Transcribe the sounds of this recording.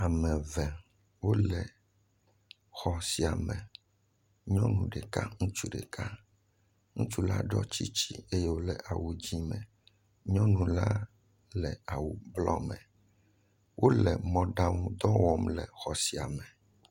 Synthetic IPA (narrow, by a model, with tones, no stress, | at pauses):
a˨mɛ̃˨vɛ˨ | wo˦lɛ˨ | xɔ˨si˨a˨mɛ̃˨ | ɲɔ̃˦nũ˨ɖɛ˨ka˦ŋũ˦t͡ʃu˦ɖɛ̰˨ka˦ | ŋũ˦t͡ʃu˦la̰˦ɖɔ˦t͡ɕi˦t͡ɕi˦e˦je˦wo˦lɛ˨ʔa˨wu˨d͡ʑi˦mɛ̃˨ | ɲɔ̃˦nũ˨la˦ | lɛ˨a˨wu˨blɔ̰˦mɛ̃˨ | wʔo˦lɛ˨mɔ̃˦ɖa˦ŋũ˦d̪ɔ˦wɔ˨mlɛ˨xɔ˨si˨a˨mɛ˨